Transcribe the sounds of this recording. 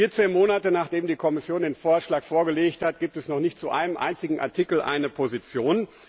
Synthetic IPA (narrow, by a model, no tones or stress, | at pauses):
iːɐt͡sveːnmoːnatənaːχd̥eːmdiːkʰɔmɪsjoːndeːnfoːɐʃlaːkfoːɐɡəleːçthat̚ɡ̥iːp̚tɛsnɔχnɪçtt͡suʔa̰ɪnəmʔa̰ɪnt͡sɪɡŋ̩ʔa̰ɐtʰɪkl̩ʔa̰ɪnəpʰozit͡sjoːn